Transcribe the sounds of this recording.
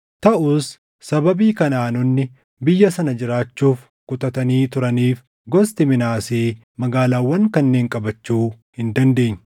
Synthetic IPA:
t̪ɐʔʊsː | ɐbɐbiːkɐnaːnʊnːɪ | bɪjːɐsɐnɐd͡ʒɪɾaːt͡ʃːuːf | kʊt̪ɐt̪ɐniːt̪ʊɾɐniːf | ɡɔst̪ɪmɪnaːseː | mɐɡaːlaːwːɐŋkɐnːeːŋkʼɐbɐt͡ʃːuː | hɪnd̪ɐnd̪e̞ːɲː

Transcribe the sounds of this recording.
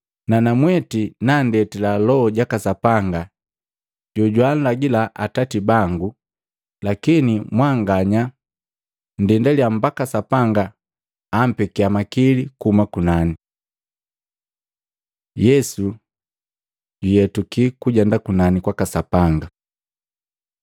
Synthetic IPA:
nanamwɛtinandɛtilalɔːɟakasapaŋɡa | ɟɔɟwaːn̩laɡilaʔatatibaŋɡu | lakinimwaŋɡaɲa | ndɛndaliam̩bakasapaŋɡaː | m̩pɛkiamakilikumakunani | jɛsu | ɟujɛtukikuɟɛndakunanikwakasapaŋɡa

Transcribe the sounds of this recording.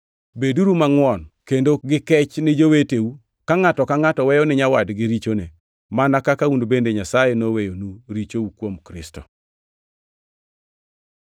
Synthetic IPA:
beduɾumaŋwɔnkendoɡɪkɛt͡ʃnɪd͡ʒoweteu | kaŋatɔkaŋatɔwɛjɔnɪɲawadɡɪɾit͡ʃone | manakakaundobendeɲasajenowejonuɾit͡ʃoukwomkɾɪ̰stɔ

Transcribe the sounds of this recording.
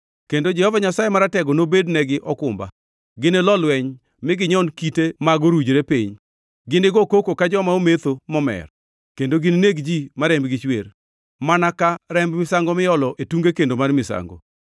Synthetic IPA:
kendod͡ʒɛhɔvaɲasajemaɾatɛɡɔnobednɛɡɪʔɔkʊmba̰ | ɡɪnɛlɔlwɛɲ | mɪɡɪɲɔnkitemaɡoɾud͡ʒɾepiɲ | ɡɪnɪɡɔkokokad͡ʒɔmaomet̪omɔmɛ̰r | kendoɡɪnneɡd͡ʒimaɾɛmbɡɪt͡ʃwer | manakaɾɛmbmɪsaŋɡɔmɪjɔlɔʔetuŋɡekendomarmɪsa̰ŋɡo̰

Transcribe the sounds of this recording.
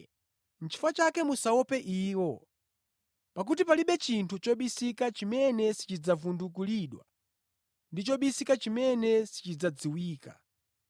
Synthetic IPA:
n̩t͡ʃʰi̥fat͡ʃakɛmusaɔpɛʔiːwɔ | pak̬ut̬ipaliɓɛt͡ʃintʰut͡ʃɔɓisikat͡ʃimɛnɛsi̥t͡ʃid͡zavunduk̬uliɗwa̰ | ndit͡ʃɔɓisikat͡ʃimɛnɛsi̥t͡ʃid͡zad͡ziwiːka̰

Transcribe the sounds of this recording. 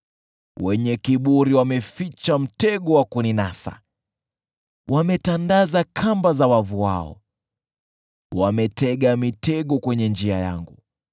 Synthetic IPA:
wɛɲɛkiɓuɾiwamɛfit͡ʃam̩tɛɠɔwakuninasa̰ | wʔamɛtandazakʰambazawavua̰ɔ̰ | wamɛtɛɠamitɛɠɔkwɛɲɛnd͡ʒiaja̰ŋɡu

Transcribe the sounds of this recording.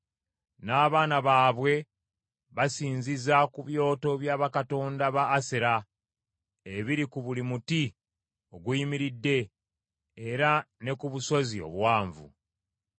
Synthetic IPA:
naːβaːnaβaːβwe̞ | βasiːnzizakuβjo̞ːto̞βjaːβakato̞ːndaβaːseɾa | eβiɾikuβulimuti | o̞ɡuimiɾidːe̞ː | ɾane̞kuβuso̞zio̰βwaːɱvṵ

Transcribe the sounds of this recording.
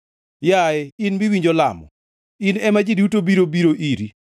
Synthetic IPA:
jaɛinbiwiɲd͡ʒɔlamɔ̰ | inɛmad͡ʒidutobiɾobiɾoʔiɾi

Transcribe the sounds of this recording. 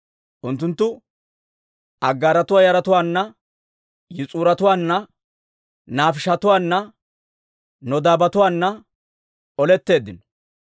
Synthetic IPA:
ʔʊnt̪ːʊnt̪ːʊ | ʔɐɡːaːɾɐt̪ʊwaːjɐɾɐt̪ʊwaːnːɐ | jɪt͡sʼuːɾɐt̪ʊwaːnːɐ | naːfɪʃɐt̪ʊwaːnːɐ | nɔd̪aːbɐt̪ʊwaːnːɐ | ɔlɛt̪ːe̞ːd̪ːɪnɔ̥

